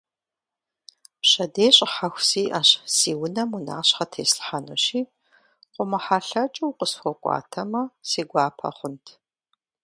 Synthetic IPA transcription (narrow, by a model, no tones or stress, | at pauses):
ɕɐdeːɕʼħaxʷsiːʔɐɕsiːwʊnɐmuna̰ːɕχɐtʰeːsɬħano̰ɕiː | qʷʼʊmɐħaːɬɐt͡ʃʼuwqəsxʷɔkʷʼɑ̰ːtʰɐmɐsiːɡʷɑːpʰɐ̰χʷʊntʰ